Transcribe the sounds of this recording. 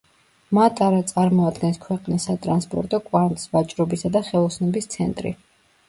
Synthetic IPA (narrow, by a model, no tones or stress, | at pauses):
mat̪ʼʰaɾat̪sʼaɾmɔad̪ɡɛnskʰwɛqʼnisːat̪ʼɾanspʼɔ̰ɾt̪ʼɔkʼwaɾnt̪ʼi̥svat͡ʃʼɾɔbisad̪aχɛlˠɔsnɔbist̪sʰɛnt̪ʼɾḭ